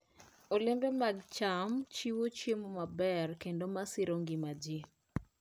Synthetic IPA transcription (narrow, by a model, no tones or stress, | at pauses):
olɪmbɛmaɡt͡ʃamt͡ʃiwot͡ʃemomabɛrkendomasɪɾoŋɡɪmad͡ʒi